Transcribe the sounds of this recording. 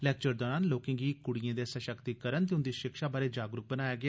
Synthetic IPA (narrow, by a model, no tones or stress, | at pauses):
lɛːk̚t͡ʃəɾd̪ɔːɾaːnloːkɪ̃ŋɡiːkʊɽijãːd̪eːsəʃəkt̪iːkəɾənt̪̬eːʊnd̪iːʃɪkʃaːbaːɾeːd͡ʒaːɡɾʊk̚bənaːjaːɡɪaː